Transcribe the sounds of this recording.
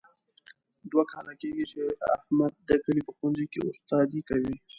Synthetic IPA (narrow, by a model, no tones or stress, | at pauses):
d̪wakɑlakeɡit͡ʃea̰hmad̪̚ːəkəlipəxanzikḛʊst̪ɑd̪ikawi